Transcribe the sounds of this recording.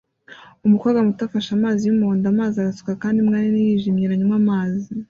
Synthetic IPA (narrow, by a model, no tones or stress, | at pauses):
umukaːɡamutafaʃamaːzijumuoːndamaːziaɾasu̥kakaːndiumŋaːninijiːʒimɲiɾaɲumamaːzi